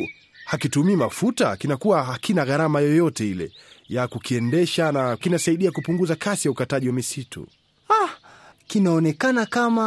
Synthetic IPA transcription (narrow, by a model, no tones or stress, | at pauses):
hakitumiimafuta̰kinakuwaɦakinaɣaɾamajɔjɔtɛilɛ̰jakukiɛndɛʃanakinasaiɗiakupuŋɡuzakʰasijaukataʄiwamisitʰṵ | akinaɔnɛkanakama